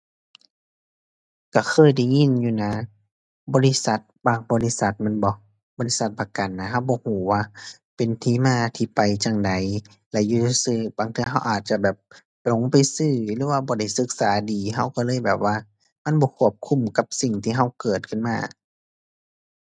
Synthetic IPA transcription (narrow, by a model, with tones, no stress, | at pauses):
ka˧˩xʰɤː˧˥˨jda˧˩˨ŋi˧˥˨njuː˧˩na˧˥ | bɔː˧˦li˧˥sa˧˦t̪̚baː˧˩ŋbɔː˧˦li˧˨sa˧˦t̪̚mɛ˧˥˨nbɔ˧˦ | bɔː˧˦li˦˧˥sa˧˦t̪̚pa˧ka˨nːa˧ɦa˧˥˨wbɔː˧˦huː˨˦waː˧˩ | pe˨nt̪ʰiː˧˨maː˧˩t̪ʰiː˧pa˨jt͡ɕa˧ŋda˨˦j | lɛ˧ʔjuː˧t̪ʰːsɯː˧baː˨˦ŋt̪ʰɯ˧˨ɦa˧˨wʔaː˨˩t̪̚t͡ɕa˧bɛː˨˩p̚ | lo˨˦ŋpa˨jsɯː˧˩lɯː˧˦waː˧˩bɔː˧˦da˧˩jsɯ˧˦k̚saː˨˦diː˨ɦa˧˩wkaː˧˩lɤː˧˨jbɛː˨˩p̚waː˧ | ma˧˥˨nbɔː˧˦kʰu˧˩əp̚kʰu˧˥˨mka˧˦p̚si˨˩ŋt̪ʰiː˧˨ɦa˧˥˩wkɤː˨˩t̪̚kʰɯ˧˥˨nmaː˧˥˨